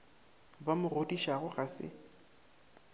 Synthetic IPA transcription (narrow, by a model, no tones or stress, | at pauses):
bamʊrodiʃaɣʊɣasɪ̰